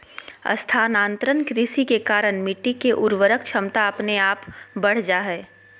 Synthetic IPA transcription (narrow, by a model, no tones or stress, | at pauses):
ɐ̰st̪ʰaːnãːnt̪ɾənkɾɪsikekaːɾəɽ̃miʈikːeʔʊɾʋəɾəkt͡ʃʰɐmt̪aɐpneaːpbɐɽ̤d͡ʒaɦɛː